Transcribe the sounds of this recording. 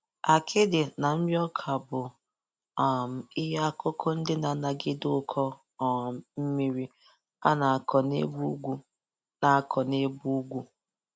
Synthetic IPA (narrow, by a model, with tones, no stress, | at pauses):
a˨kʰɪ˦dɪ˨na˨m̩˦mi˦ɔ˦kʰa˨bʊ˨ | a˨m̩˨ɪ˦ɦa˦a˦kʊ˦kʰo˦n̩˦dɪ˦na˨na˨ɡɪ˦dʊ˦kʰɔ˦˨ | m˨m̩˦mi˦ɾi˦ | a˦na˨a˨kʰɔ˨nḛ˦bu˦ɡʷu˦ | na˨a˦kʰɔ˨ne˦bu˦ɡʷu˦